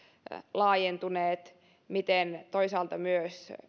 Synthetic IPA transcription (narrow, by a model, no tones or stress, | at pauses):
lɑːjent̪uneːt̪ | mit̪ent̪oisɑːlt̪ɑmyøs